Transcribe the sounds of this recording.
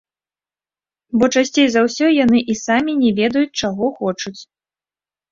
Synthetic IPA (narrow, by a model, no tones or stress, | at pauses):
bɔt͡ʂasʲt͡sʲejzawsʲɔjanɨʔisamʲinʲɛvʲɛd̪ɐjut͡sʲt͡ʂaɣɔxɔt͡ʂut͡sʲ